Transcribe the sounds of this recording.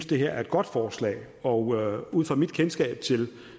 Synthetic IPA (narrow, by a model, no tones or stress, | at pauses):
nsd̥e̝ɦeɐ̰æɐe̝d̥ɡ̥ɒ̽d̥fɒːslɛ̰ːɪ | ɒ̽uð̞̰ˠfɒ̰mid̥kʰensɡ̥ɛ̰ːb̥̚t͡sʰe̝l